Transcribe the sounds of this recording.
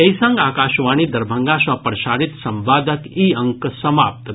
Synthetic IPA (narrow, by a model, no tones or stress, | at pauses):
ɐjsɐ̃ŋɡaːkaːʃʋaːñiːd̪ɐɾbʱəŋɡaʃʋapɾɐʃaɾit̪sɐ̃mʋaːd̪ʱəkiːɐŋksɐmaːp̚t̪